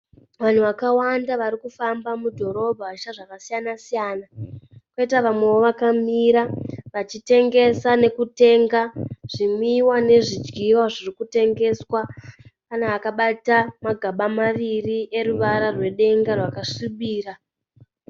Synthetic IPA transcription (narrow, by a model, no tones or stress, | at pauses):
ʋan̤uʋakawandaʋaɾikufambamudʱo̞ɾo̞bʱaaʃaʐakasijanasijaːnakweitaʋamwe̞ʋo̞ʋakamiɾaʋat͡ʃite̞ŋɡe̞sane̞kute̞ŋɡaʐ̥imiwane̞ʐid͡ʒɡiwaʐirikute̞ŋɡe̞swakanaakaɓatamaɡʱaɓamaʋiriʔe̞ɾuʋaɾarwe̞ɗe̞ŋɡarwakaʂuɓiːra